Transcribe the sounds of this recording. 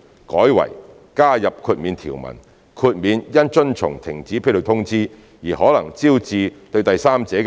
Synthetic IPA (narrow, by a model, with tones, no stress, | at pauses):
kɔː˨˥jwɐ̰˨˩j | kaː˥jɐ˨p̚kʰuː˧t̚miː˨˧nt̪ʰḭː˨˩wmɐ̰˨˩n | kʰuː˧t̚miː˨˧njɐ˥nt͡ʃɵ˥nt͡sʰʊ̰˨˩ŋt̪ʰɪ˨˩ŋt͡siː˨˥pʰe˥lo˨˧˩t̪ʰʊ˥ŋt͡siː˥ | jiː˨˩hɔː˨˥lɐ˨˩ŋt͡siː˥wt͡siː˧t̪ɵ˧ɥt̪ɐ˨jsaː˥mt͡sɛː˨˥k